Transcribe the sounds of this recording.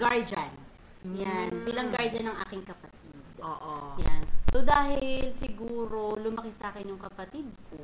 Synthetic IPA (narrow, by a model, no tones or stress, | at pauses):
ɡaɹd͡ʒan | janpilɐŋɡaɹd͡ʒɐnɐŋʔa̰ːkɪŋkɐpɐt̪̚id̪̚oːʔojansod̪aːɦɪlsɪɡuːɾo̞lʊmɐkɪsɐʔaːkɪnjʊŋkɐpɐt̪id̪̚kko